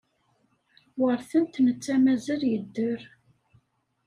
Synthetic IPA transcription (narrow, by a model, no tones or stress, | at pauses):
wəɾθənt̪nət͡sːæmæzæljəd̪ːəɾ